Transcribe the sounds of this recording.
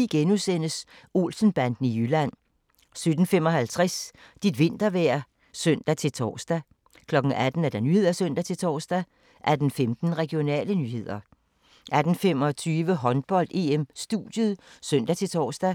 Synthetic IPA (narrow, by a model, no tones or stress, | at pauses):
iɡ̥enusen̰əs | o̝̰lsn̩b̥æn̰d̥n̩ijylæn̰ | sød̥n̩fem̰ɒ̽ɦælt͡sʰʁɛs | d̥id̥ʋe̝n̰d̥ɐʋæɐ̰ | søn̰d̥æt͡sʰe̝lt͡sʰɒ̰ːsd̥æ | kʰlɒ̽ɡ̥ŋ̩æd̥n̩æɐd̥ænyːhe̝ð̞̰ˠæsøn̰d̥æt͡sʰe̝lt͡sʰɒ̰ːsd̥æ | ʔæd̥n̩femd̥n̩ʁɛɡ̥io̝nɛ̰ːlənyːɦe̝ð̞̰ˠɐ | ʔæd̥n̩fem̰ɒ̽t͡sʰyːʋəɦɒ̽nb̥ɒ̽l̰d̥e̝ːemsd̥ṵd̥jəð̩ˠsøn̰d̥æt͡sʰe̝t͡sʰɒ̰ːsd̥æ